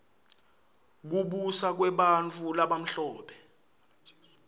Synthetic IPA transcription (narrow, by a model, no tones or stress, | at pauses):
k̬uɓusak̬wɛɓant͡fʰulaɓam̩ɬɔːɓɛ